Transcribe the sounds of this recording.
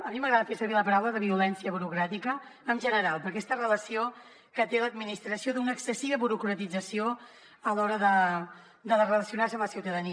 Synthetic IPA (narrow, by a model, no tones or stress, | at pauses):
əmiməɣɾaðəfesəβ̞eləpəɾawləðəβ̞iulɛnsiəβuɾukɾat̪ikəːmʒənəɾalˠpəɾkɛest̪ərələsio | kət̪eləd̪minist̪ɾəsioðunəːksəsiβəβuɾukɾət̪id͡zəsio | əlɔɾəðə | d̪əðərələsiunaɾrsəmləsiwt̪əðəni